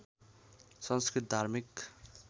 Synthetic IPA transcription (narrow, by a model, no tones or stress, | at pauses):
sʌnskɾit̪̚d̪ʱaɾmik